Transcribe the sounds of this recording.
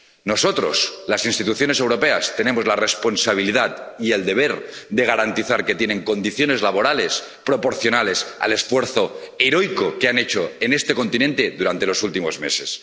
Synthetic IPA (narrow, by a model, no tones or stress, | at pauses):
no̞sot̪ɾo̞̰slasinst̪it̪uθjo̞nese̞wɾo̞peast̪enẽ̞mozlarespo̞nsaβ̞iliðat̪ie̞ld̪e̞β̞eɾd̪e̞ɣ̞aɾant̪iθaɾket̪je̞nẽ̞ŋko̞nd̪iθjone̞zlaβo̞ɾale̞s | pɾo̞po̞ɾθjo̞nale̞sa̰le̞sfwe̞ɾθo̞eɾojkokeanet͡ʃoenest̪e̞ko̞nt̪inent̪e̞ðuɾant̪e̞losult̪imo̞zme̞̰se̞s